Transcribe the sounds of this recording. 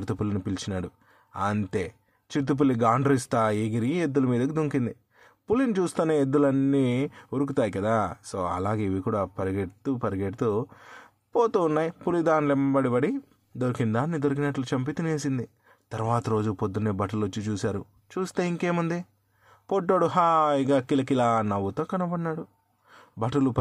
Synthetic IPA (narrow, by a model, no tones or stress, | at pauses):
ɾt̪upulːinipilt͡ʃinaːɽu | ɐnt̪e̞ː | t͡ʃiɾt̪̬up̬ulːiɡaːɳɖɐɾist̪aːeːɡiɾied̪ːulɐmiːd̪ɐkid̪uŋkind̪i | pulint͡ʃuːst̪aːneːed̪ːulɐnːiːuɾuk̬ut̪aːjikɐd̪aːso̞̰ːɐ̰laːɡe̞ːiʋikuːɽaːpɐɾiɡeʈt̪upɐɾiɡeʈt̪o | poːt̪uːnːaːjipulid̪aːnlembɐɽibɐɽi | d̪oɾkind̪aːnːid̪oɾuk̬inɐʈlut͡ʃɐmp̬it̪ineːs̬ind̪i | t̪ɐɾʋaːt̪ɐɾo̞ːd͡ʒupod̪ːuneːbɐʈɐlʋot͡ʃːit͡ʃuːsaːɾu | t͡ʃuːst̪e̞ːiŋke̞ːmɐnd̪i | poʈːoːɽuɦaːiɡaːkilɐkilaːnɐʋːut̪o̞ːkɐnɐbɐɽnːaːɽu | bɐʈɐlup